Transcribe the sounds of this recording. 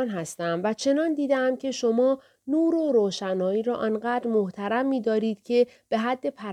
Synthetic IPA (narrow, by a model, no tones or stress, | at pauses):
nɦæst̪æmvæt͡ʃʰe̞nɒːnd̪iːd̪eæmcʰe̞ʃomɒː | nuːɾoɾoːʃænɒːiːɾɒːʔɒːnɢæːd̪ɾmoht̪ʰæɾæmːiːd̪ɒːɾiːd̪̥cʰe̞ | b̥e̞ɦæd̪ːe̞pʰæ